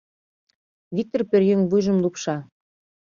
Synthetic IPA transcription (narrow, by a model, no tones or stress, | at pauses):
vʲik̚t̪orpø̆rjøŋβujʒə̆mlˠupʃɑ